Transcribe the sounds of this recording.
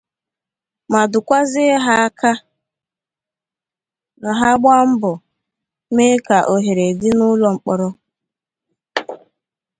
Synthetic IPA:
ma˨dʊ˨kʷa˦zɪ˦ɦa˦ka˦ | na˨ɦa˦ɡ͡bʷa˦m̩˦bʊ˨ | me˦ka˨ʔo˨ɦe˨ɾe˨dɪ˦nʊ˦lɔ˨ŋ͡m̩˨k͡pɔ˨ɾɔ˦

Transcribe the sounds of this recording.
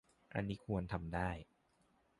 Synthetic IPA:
ʔa̰˧nːiː˦˥kʰu˧ənt̪ʰa˧mdaː˥˩j

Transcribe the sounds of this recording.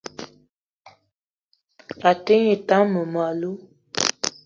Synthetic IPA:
a˨te˦ɲe˨ta˦ŋmə˨ma˨lu˦

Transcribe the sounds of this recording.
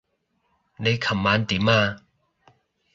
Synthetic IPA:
le˧˦kʰɐ˨mːa˨˧˦nt̪i˨ma˧

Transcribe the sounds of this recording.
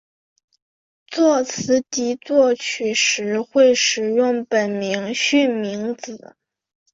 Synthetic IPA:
t͡swɔ˥˩t͡sʰɹ̩˧˥t̪i˧˥t͡swɔ˥˩t͡ɕʰy˨˩ʂɻ̩˧˥xwe˥˩ɪʂɻ̩˨˩jʊ˥˩ŋpə˨˩nmi˧˥ŋɕy˥˩nmi˧˥ŋt͡sɹ̩˨˩˦

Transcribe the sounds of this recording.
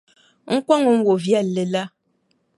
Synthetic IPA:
ŋ̩˦kwa˦ŋo˨m̩˦wo˨vjɛ˦˨lːe˨la˦

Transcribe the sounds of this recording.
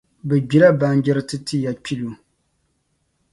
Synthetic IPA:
bɛ˨d͡ʒi˦la˦ba˨n˦d͡ʒɛ˦ɾɨ˦tɨ˦tɨ˦ja˨k͡pi˦lu˨

